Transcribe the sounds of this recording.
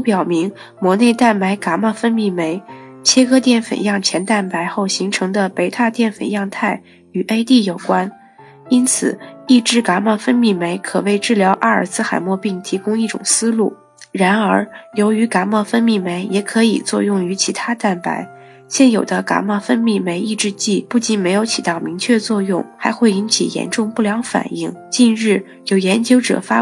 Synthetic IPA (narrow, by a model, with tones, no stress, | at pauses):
pjɑ˨˩ʊmi˧˥ŋ | mwɔ˧˥ne˥˧ɪt̪a˥˩nma˧˥ɪka˧˥ma˥˩fə˥nmi˥˩me˧˥ɪt͡ɕʰjɛ˥kɤ˥t̪jɛ˥˩nfə̰˨˩njɑ˥˩ŋt͡ɕʰjɛ˧˥nt̪a˥˩npa˧˥ɪxo˥˩ʊɕi˧˥ŋʈ͡ʂʰɤ˧˥ŋd̪ə˧pe˧˥ɪt̪ʰa˥˧t̪jɛ˥˩nfə̰˨˩njɑ˥˧ŋt̪ʰa˥˩ɪ | y˨˩ʔe˥ɪt̪i˥˩jo˨˩ʊkwa˥n | i˥nt͡sʰɹ̩̰˨˩i˥˩ʈ͡ʂɻ̩˥ka˧˥ma˥˩fə˥nmi˥˩me˧˥ɪkʰɤ̰˨˩we˥˧ɪʈ͡ʂɻ̩˥˩ljɑ˧˥ʊʔa˥˩˥ə̰˞˨˩sɹ̩˥xa˨˩ɪmwɔ˥˧pi˥˩ŋt̪ʰi˧˥kʊ˥ŋi˥˩ʈ͡ʂʊ̰˨˩ŋsɹ̩˥lu˥˩ | ɻa˧˥nə˞˧˥jo˧˥ʊy˧˥ka˧˥ma˥˩fə˥nmi˥˩me˧˥ɪjɛ˧˩kʰɤ˧˥ḭ˨˩t͡swɔ̰˥˧jʊ˥˩ŋy˧˥t͡ɕʰi˧˥t̪ʰa˥t̪a˥˩npa̰˧˥ɪ | ɕjɛ˥˩njo˨˩d̪ə˦ka̰˧˥ma˥˩fə˥nmi˥˩me˧˥ɪi˥˧ʈ͡ʂɻ̩˥˧t͡ɕi˥˩pu˥˩t͡ɕi˧˥nme˧˥ɪjo˧˥ʊt͡ɕʰi˨˩t̪ɑ˥˩ʊmi˧˥ŋt͡ɕʰɥɛ˥˧t͡swɔ˥˧jʊ˥˩ŋxa˧˥ɪxwe˥˩ɪi˧˥nt͡ɕʰḭ˨˩jɛ̰˧˥nʈ͡ʂʊ˥˧ŋpu˥˩ljɑ˧˥ŋfa̰˨˩ni˥˩ŋt͡ɕi˥˧nɻɻ̩˥˩ | jo˨˩ʊjɛ˧˥nt͡ɕjo˥ʊʈ͡ʂɤ̰˨˩fa˥